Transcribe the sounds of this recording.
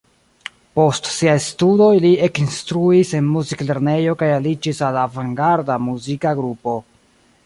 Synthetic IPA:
po̞stsiajstudo̞jlie̞kinstɾuise̞nmuzikle̞ɾne̞jo̞kajalid͡ʒisalavaŋɡaɾdamuzikaɡɾupo̞

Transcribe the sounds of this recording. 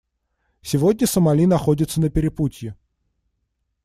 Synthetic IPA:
sʲɪvo̞dʲnʲəsəmɐlʲinɐxodʲɪt̪sənəpʲɪɾʲɪputʲjɪ

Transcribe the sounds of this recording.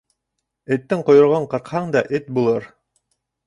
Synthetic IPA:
et̪ːɘɴqŏjŏɾʁoɴqɤ̆ɾqhɑɴd̪ɑʔet̪̚bulˠɤɾ

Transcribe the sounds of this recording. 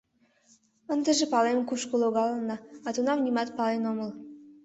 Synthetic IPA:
ənd̪əʒepɑlemkuʃkoloɣɑlənɑɑt̪unɑmnʲimɑt̪̚pɑlenoməl

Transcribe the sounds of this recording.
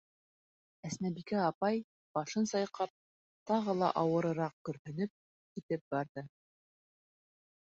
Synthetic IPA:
æsnæbikæɑpɑj | b̥ɑʃɤnsɑjqɑp̚ | t̪ɑʁɤlˠɑ̰ʔɑwɤ̆ɾɤ̆ɾɑq̚kɵ̆ɾhɵ̆nɵp̚ | kit̪ɘp̚bɑɾðɤ

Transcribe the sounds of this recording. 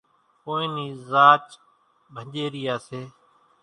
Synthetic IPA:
koːĩːniːzaːt͡ʃ | bʱə̃ʄeːɾijaːseː

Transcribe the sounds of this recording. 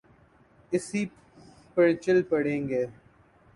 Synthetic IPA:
ɪsiː | pəɽt͡ʃɪlpəɽẽːŋɡeː

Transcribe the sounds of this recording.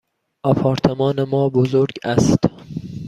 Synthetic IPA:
ʔɒpʰɒːɾt̪ʰemɒːnemɒːbozoɾɡæst̪

